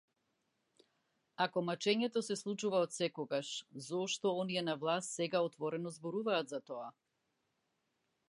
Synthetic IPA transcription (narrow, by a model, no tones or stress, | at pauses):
akɔmat͡ʃɛɲɛt̪ɔsɛslˠut͡ʃuvaɔt̪sɛkɔɡaʃzɔʃt̪ɔɔniɛnavlˠast̪sɛɡaɔt̪vɔɾɛnɔzbɔɾuvaːt̪zat̪ɔa